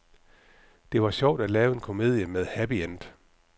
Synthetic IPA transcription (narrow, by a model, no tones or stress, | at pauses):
d̥e̝ʋɑ̈ɕɒʊ̰d̥ælɛːʊe̝nkʰo̝me̝̰ðˠjəmeð̞ˠhæb̥iend̥